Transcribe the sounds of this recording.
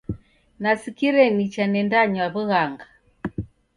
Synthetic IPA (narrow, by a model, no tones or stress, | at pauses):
nasikiɾɛnit͡ʃanɛndaɲwaβuɣaŋɡa